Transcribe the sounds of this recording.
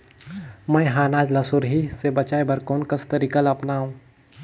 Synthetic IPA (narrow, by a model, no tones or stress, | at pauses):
mɛ̃jɦaːnaːd͡ʒlasʊɾɦisebɐt͡ʃaːebɐɾkɔːnkəst̪ɐɾiːkalɐpnaːɦũː